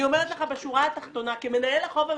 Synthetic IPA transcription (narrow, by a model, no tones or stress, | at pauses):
io̞meʁet̪leχabeʃuʁaat̪aχt̪o̞nakime̞naelaχo̞va